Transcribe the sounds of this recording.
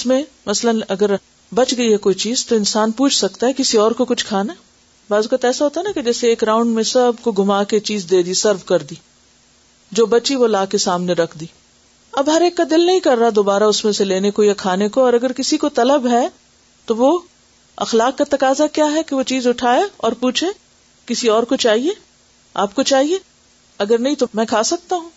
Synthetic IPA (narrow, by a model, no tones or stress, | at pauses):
ɪsmẽ | mɐslənɐɡəɾ | bɐt͡ʃɡɐiɦɛkoːit͡ʃiːzt̪oɪnsaːnpuːt͡ʃʰsɐkt̪aɦɛkɪsiɔːɾkokʊt͡ʃʰkʰaːna | baːzukət̪ɛːsaɦoːt̪aɦɛnaked͡ʒɛːseeːkɾãːʊ̃ɳɖmẽsɐbkoɡʱʊmaːket͡ʃiːzd̪eːd̪isɐɾʋkɐɾd̪iː | d͡ʒoːbɐt͡ʃiʋolaːkesaːmneɾɐkʰd̪iː | ɐbɦɐɾeːkːad̪ɪlnɐɦĩkɐɾːɐad̪oːbaːɾaʊsmẽseleːnekojakʰaːnekoɔːɾɐɡəɾkɪsikot̪ɐləbɦɛ | t̪oʋo | ɐ̰xlaːkːat̪ɐkaːzakjaːɦɛkeʋot͡ʃiːzʊʈʰaːeɔːɾpuːt͡ʃʰe | kɪsiɔːɾkot͡ʃaːɦie | aːp̚kot͡ʃaːɦie | ɐɡəɾnɐɦĩt̪omɛ̃ːkʰaːsɐk̚t̪aɦũː